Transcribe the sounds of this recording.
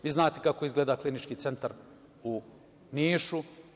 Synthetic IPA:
ʋiːznaːt̪e̞kako̞izɡleːd̪aklinit͡ʃkiːt̪se̞nt̪aɾ | u | niːʃu

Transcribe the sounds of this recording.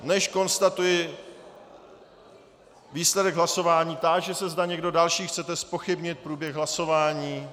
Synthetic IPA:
nɛʃko̞nst̪at̪ujɪ | viːslɛdɛɡɦlaso̞vaːɲiːt̪akʒɛsɛzdaɲɛɡdo̞dalʃiːxt͡sɛt̪ɛspo̞xɪbɲɪt̪̚pɾuːbjɛɣɦlaso̞vaːɲiː

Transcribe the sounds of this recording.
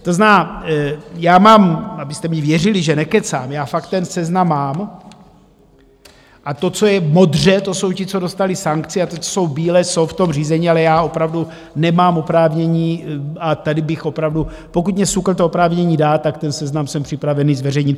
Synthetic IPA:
t̪oznaː | jaːmaːmabɪst̪ɛmɲɛvjɛrɪlɪʒɛnɛkɛt͡sa̰ːmjaːfak̚t̪ːɛnsɛznamːaːm | ʔat̪o̞t͡sojɛmo̞d̪r̝ɛt̪oso̞wcɪt͡so̞do̞st̪alɪsaŋkt͡sɪat̪ot͡so̥so̞wbiːlɛːso̞wft̪o̞mriːzɛɲialɛjaːo̞pɾavdu | nɛmaːmopɾaːvɲɛɲiːat̪adɪbɪxo̞pɾavdu | pokut̪mɲɛsukl̩t̪oopɾaːvɲɛɲiːdaːt̪ːakt̪ɛnsɛznamsɛmpr̝̥ɪpɾavɛniːzvɛrɛjɲɪt̪̚

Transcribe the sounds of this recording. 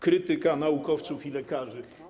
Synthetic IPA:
kɾɘt̪ɘkanaukɔft̪sufilɛkaʐɘ

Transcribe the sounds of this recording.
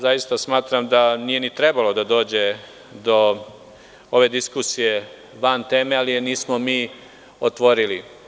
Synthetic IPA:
zajist̪asmaːt̪ɾamd̪anije̞nit̪ɾe̞balo̞d̪ad̪o̞ːd͡ʑe̞ | d̪o̞ | o̞ʋe̞d̪iskusije̞ | ʋant̪e̞ːme̞aliniːsmomiː | ot̪ʋo̞ɾili

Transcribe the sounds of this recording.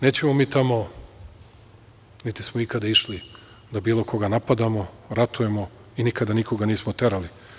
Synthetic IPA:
ne̞ːt͡ɕe̞momiːt̪amo̞ | nit̪ismoikad̪aiʃli | d̪abiːlˠo̞kʰo̞ɡanapad̪amo̞ | ɾat̪uje̞mo | inikad̪aniko̞ɡaniːsmot̪eɾali

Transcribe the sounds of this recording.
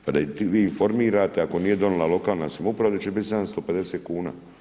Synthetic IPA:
pad̪at̪iʋiːinfo̞ɾmiːɾaːt̪eako̞niːje̞d̪o̞nulˠalo̞kaːlˠnasamupɾaʋod̪at͡ʃebit̪ʲsad̪anst̪o̞ːpe̞d̪eseːt̪̚kuːna̰ː

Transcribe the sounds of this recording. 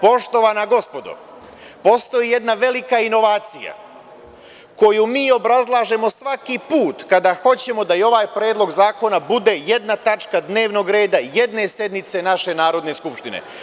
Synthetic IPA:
po̞ʃt̪o̞ʋanaɡo̞spo̞d̪o̰ | po̞st̪o̞jije̞d̪naʋe̞likaino̞ʋaːt̪sija̰ | ko̞jumiːo̞bɾazlˠaːʒe̞mo̞sʋakipuːt̪kad̪axo̞t͡ɕe̞mo̞d̪ajo̞ʋaːjpɾeːd̪lˠo̞ɡzaːko̞nabud̪e̞je̞d̪nat̪at͡ʃkad̪ne̞ːʋno̞ɡɾe̞ːd̪aje̞d̪ne̞sje̞d̪nit̪se̞naʃe̞naːɾo̞d̪neskupʃt̪inḛ

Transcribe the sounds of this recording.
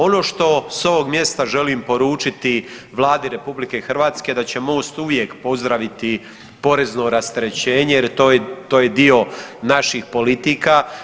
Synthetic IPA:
o̞no̞ːʃt̪o̞so̞ʋo̞ɡmje̞st̪aʒe̞liːmpo̞ɾuːt͡ʃit̪iʋlˠaːd̪iɾe̞publike̞xr̩ʋaːt̪ske̞d̪at͡ɕe̞mo̞st̪uʋje̞kpo̞zd̪ɾaʋit̪i | po̞ɾe̞zno̞ɾast̪ɾet͡ɕe̞ːɲejeɾt̪ojt̪oːjed̪io̞naʃixpo̞lit̪iːka

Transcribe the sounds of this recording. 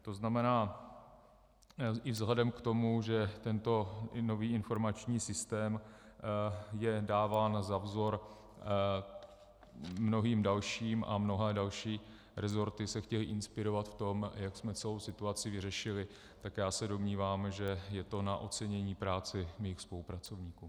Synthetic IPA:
t̪o̞znamɛnaː | ʔɪvzɦlɛdɛmkt̪o̞muʒɛt̪ɛnt̪o̞no̞viːɪnfo̞ɾmat͡ʃɲiːsɪst̪ɛːm | jɛdaːvaːnzavzo̞ɾ | mno̞ɦiːmdalʃiːmʔa̰mno̞ɦɛːdalʃiː | ɾɛzo̞ɾt̪ɪsɛxcɛlɪʔɪnspɪɾo̞vat̪ft̪o̞mjaksmɛt͡sɛlo̞wsɪt̪uat͡sɪvɪrɛʃɪlɪ | t̪akjaːsɛdo̞mɲiːvaːmʒɛjɛt̪o̞naʔo̞t͡sɛɲɛɲiːpɾaːt͡sɪmijːxspo̞lupɾat͡so̞vɲiːkuː

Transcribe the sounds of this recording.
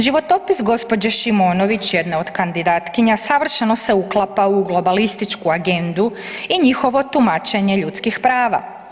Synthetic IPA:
ʒiʋo̞t̪o̞pisɡo̞spo̞d͡ʑaʃimo̞ːno̞ʋit͡ɕjed̪neo̞d̪kand̪id̪aːt̪kiɲasaʋr̩ʃeno̞se̞uklˠapauɡlˠo̞balist̪it͡ʃkuaɡe̞nd̪u | iɲixo̞ʋo̞t̪umat͡ʃe̞ɲe̞ʎut̪skixpɾaːʋa̰

